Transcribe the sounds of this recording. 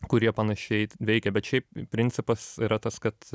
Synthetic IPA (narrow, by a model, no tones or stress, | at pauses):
kʊɾʲiɛpɐnɐʃʲɛɪʋʲɛɪkʲɛbʲɛt̪ʃʲɛɪppʲɾʲɪnʲtsʲɪpɐsiɾɐt̪ɐskɐt̪